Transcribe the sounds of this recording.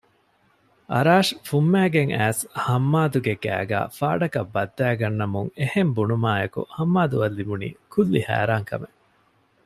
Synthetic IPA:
ʔɐ̰ɾaːʂfumːæːɡeŋæːshɐmːaːd̪uɡeɡæ̰ːɡæ̰ːfa̰ːɖɐkɐbːɐd̪ːæːɡɐnːɐmuŋehembunumaːjɐkṵhɐmːaːd̪uɐlːibunḭːkʰulːihæ̰ːɾaːŋkɐ̰me

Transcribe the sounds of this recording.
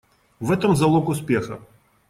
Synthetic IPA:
vɛt̪ɐmzɐlˠɔkʊspʲɛxɐ̰

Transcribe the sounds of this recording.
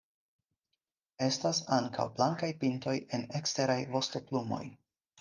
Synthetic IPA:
e̞stasaŋkʰa̰wblaŋkajpinto̞je̞nekste̞ɾajvo̞sto̞plumo̞̰j

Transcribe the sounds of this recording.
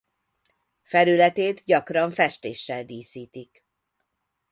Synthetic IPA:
fɛlylɛt̪eːt̪ɟɒkrɒɱfɛʃt̪eːʃːɛld̪iːsiːt̪ik

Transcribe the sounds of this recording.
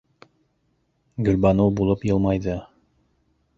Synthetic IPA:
ɡɵ̆lbɑnowbulˠɤpjɤlˠmɑjðɤ

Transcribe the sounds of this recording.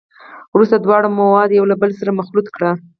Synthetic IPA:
wɾust̪ad̪wɑɽamawɑd̪jawlabəlsaɾamaxlut̪kɽa

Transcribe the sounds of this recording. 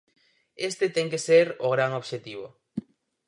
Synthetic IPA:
est̪et̪ɛŋkeseɾoɣ̞ɾaŋoβʃet̪iβ̞o

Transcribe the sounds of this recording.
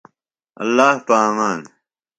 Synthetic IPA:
ɐ̰lːaːhpaːmaːn

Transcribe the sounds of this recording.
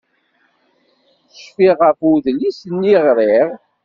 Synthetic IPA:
ʃfiʁəfuðlisənːiʁɾˤiʁ

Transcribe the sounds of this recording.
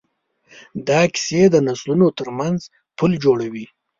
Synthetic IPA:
d̪ɑkɪ̥sed̪ənaslunot̪əɾmanz | pʰuld͡ʒoɽawi

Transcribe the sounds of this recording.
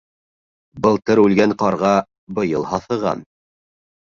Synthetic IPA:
bɤ̆lˠt̪ɤɾʉlɡæɴqɑɾʁɑ | bɤ̆jɤlˠhɑθɤ̆ʁɑ̰n

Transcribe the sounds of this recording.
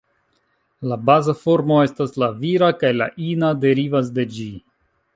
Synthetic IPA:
labazafo̞ɾmo̞e̞staslaviɾakajla̰ʔinade̞ɾivas̬de̞d͡ʒi

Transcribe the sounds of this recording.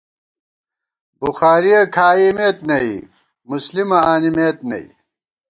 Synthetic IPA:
buxaːɾiɐkʰaːimeːt̪nɐi | muslimɐaːnimeːt̪nɐ̰ḭ

